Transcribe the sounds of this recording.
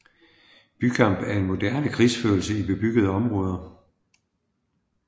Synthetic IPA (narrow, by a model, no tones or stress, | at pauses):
b̥ykʰɑ̈m̰b̥æɐe̝nmo̝d̥æɐnəkʰʁiːsføːl̩səib̥e̝b̥yɡ̥əð̞̩ˠəɒ̽mʁɔ̽ːð̞ˠɐ